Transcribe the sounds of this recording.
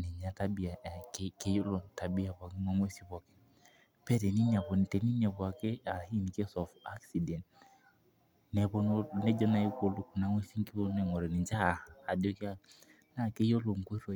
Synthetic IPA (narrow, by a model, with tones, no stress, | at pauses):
ni˨ɲa˦ta˦bi˨a˨kke˦jo˦lo˨nta˨bi˦a˨ba˨ki˦ŋa˨ŋwe˦si˦ba˨ke̥˦ | pɛ˦te˨ni˦n˦a˨βo˨n˨te˨ni˦n˦ɛ˨pwa˨ke˦a˨hi˦ni˨ke˦sɔ˨fa˦ksi˨dɛ˨nt | nɛ˨bo˦no˦nɛ˦d͡ʒɔ˦na˨i˦ko˦˨lu˦ku˨na˨˦ŋwe˦si˦ŋ˦ki˦bo˦ne˦˨ŋɔ˨ɾɛ˨ni˨d͡ʒa˦˨a˨di˨˦o˦ki˦a˦ | na˦ke˦jo˦lo˨ŋ˨kʷe˦ɾo˨